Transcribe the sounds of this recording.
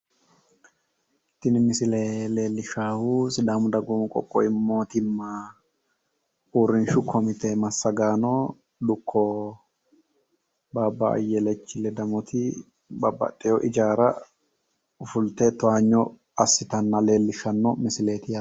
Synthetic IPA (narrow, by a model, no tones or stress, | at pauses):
ɪt̪ːɪnmɪsɪlele̞ːlːɪʃaːhusɪd̪aːmʊd̪ɐɡʊmkʼɔ̰kʼːɔ̰ɪmːoːt̪ɪmːa | uːɾːɪnʃʊkʰɔmɪt̪emɐsːɐɡaːno | d̪ʊkʰːɔ | baːbːaɐ̰jːɛlɛt͡ʃːɪlɛd̪ɐmɔt̪ʰɪ | bɐbːɐ̰t̪ʼːɛjɔʔɪd͡ʒaːɾɐ | ʊfʊlt̪ɛt̪ɔaːɲːɔ | ɐsːɪt̪ɐnːɐle̞ːlːɪʃɐnːɔmɪsɪle̞ːt̪ɪja